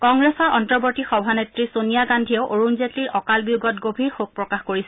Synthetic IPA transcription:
kɔŋɡɹesɔɹɔntɔɹbotixɔbʱanetɹisonijaɡandʱiɔʊʔoɹunzetiɹɔkalbiuɡɔtɡobʱiɹxok̚pɹɔkaxkoɹisɛ

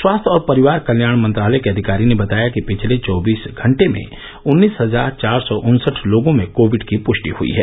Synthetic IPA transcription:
swaːst̪ʰɔːɾpɐɾɪʋaːɾkɐljaːɽ̃mɐ̃nt̪ɾaːlɛjkeɐd̪ʱɪkaːɾinebɐt̪aːjakipɪt͡ʃʰlet͡ʃɔːbiːsɡʱɐ̃ɳʈemḛ̃ | ʊnːiːsɦɐzaːɾt͡ʃaːɾsɔʔʊnsəʈʰloːɡõmẽkoːʋɪɖkipʊʃʈḭhʊ̰ḭɦɛ̰ː

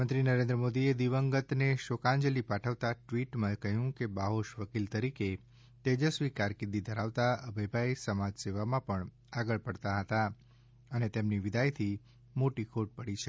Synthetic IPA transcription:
ə̃nt̪ɾinəɾẽnd̪ɾəmod̪ied̪iʋəŋɡət̪neʃokãɲd͡ʒəlipaʈʰəʋt̪aʈʋiʈmãekəɦjũkebaɦoʃʋəkilt̪əɾike | t̪ed͡ʒəsʋikaɾkid̪id̪ʱəɾaʋt̪aəbʱəjbʱaesəmad͡ʒseʋamãpəɳ | aɡəɭpəɽt̪aɦət̪a | ənet̪emniʋɪd̪ʱajt̪ʰi | moʈikʰoʈ̚pəɽit͡ʃʰe

